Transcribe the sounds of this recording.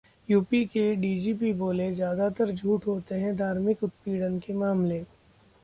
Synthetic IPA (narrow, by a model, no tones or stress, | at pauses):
juːpikeɖiːd͡ʒiːp̬iboːlezjaːd̪at̪əɾd͡ʒʱuːʈɦoːt̪eɦɛ̃d̪ʱaːɾmɪkʊt̪̚piːɽənkemaːmleː